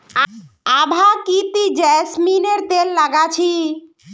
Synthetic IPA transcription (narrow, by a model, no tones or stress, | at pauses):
abʱakit̪id͡ʒɛsmineɾt̪elːaɡat͡ʃʰi